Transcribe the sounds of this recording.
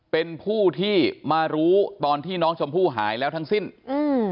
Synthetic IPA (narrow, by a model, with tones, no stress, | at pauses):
pe˧npʰuː˥˩t̪ʰiː˥˩maː˧ɾuː˦˥t̪ɔː˧nt̪ʰiː˥˩nɔː˦˥ŋt͡ɕʰo˧mpʰuː˥˩ɦa̰ː˩˦jlɛː˦˥wt̪ʰa˦˥ŋsi˥˩nɯː˧